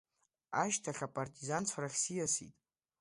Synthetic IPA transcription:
aʃtʰaχʲapʼartʼizant͡sʷʰaraχʲsijasḭtʼ

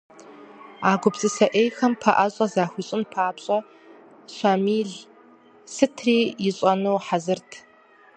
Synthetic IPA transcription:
aːɡʷʊbzʼɨsɐʔeːjxɐmpʰɐʔɐɕʼɐzaːxʷiːɕʼɪnpʰaːpɕʼɐ | ɕʷamiːɮ | sɨtʰriːjɪɕʼɐnuwħazɨrtʰ

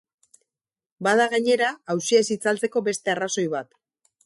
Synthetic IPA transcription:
baðaɣaɲe̞ɾaːwsiesit͡salt͡se̞ko̞be̞st̪e̞araso̞jβat̪

